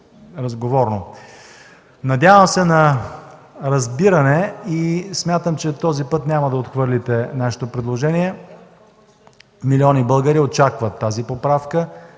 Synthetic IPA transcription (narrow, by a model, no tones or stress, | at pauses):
ɾɐzɡovɔɾno | nɐd̪ʲjavəmsɛnɐ | ɾɐzbiɾɐnɛismʲjat̪əmt͡ʃɛt̪ɔzipɤt̪nʲamɐd̪ɐot̪xvɤɾlit̪ɛnaʃe̥t̪opɾɛd̪lˠoʒɛniɛ | miliɔnibɤlˠɡəɾiott͡ʃakvət̪ːazipopɾafkə